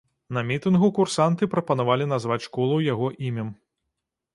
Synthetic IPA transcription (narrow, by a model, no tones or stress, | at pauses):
nɐmʲit̪ɨnɣukursant̪ɨpɾɐpɐnavalʲinazvat͡sʲʂkɔlˠuwjaɣɔʔimʲɐm